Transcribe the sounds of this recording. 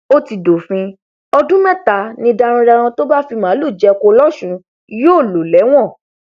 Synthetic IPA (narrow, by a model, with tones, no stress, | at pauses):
o˦ti˧do˨fĩ˧ | ɔ˧dũ˦mɛ̃˦˨ta˧˨nĩ˧da˧ɾ̃ĩ˧ɾa˧ɾ̃ɔ̃˧to˦ba˦fi˧mãː˨˦lu˦˨d͡ʒɛ˧˦ko˧lɔ˦ʃũ˧ | joː˦˨lo˨lɛ˨˦w̃ɔ̃˦˨